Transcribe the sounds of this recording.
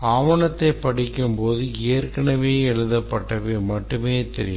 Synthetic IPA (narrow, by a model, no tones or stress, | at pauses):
aːʋɐɳɐt̪ːɐɪpɐɽɪkːɯmpoːðɯeːɾkɐɳɐʋeːɛɻɯðɐpːɐʈːɐʋeːmɐʈːɯmeːt̪ɛ̰ɾɪ̰j